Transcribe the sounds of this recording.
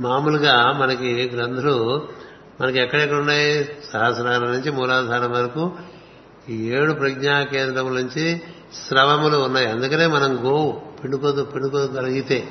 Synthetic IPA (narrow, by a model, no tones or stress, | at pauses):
maːmuluɡaːmɐnɐkiɡɾɐnd̪ulu | mɐnɐkuɛkːɐɽɐɛkːɐɽunːaːjisɐɦɐsɾaːɾɐnuɲt͡ʃimuːlaːd̪ʱaːnɐʋɐɾɐku | eːɽupɾɐɡɲaːkeːnd̪ɾɐmulnuɲt͡ʃi | sɾɐʋɐmuluːnːaːjiɐnd̪ukɐne̞ːmɐnɐmɡoːwupiɳɖukot̪upiɳɖukoɡɐlɐɡit̪e̞ː